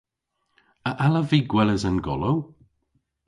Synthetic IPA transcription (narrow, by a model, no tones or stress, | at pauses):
əʔaləviːɡwɛləzənɡɔ̰low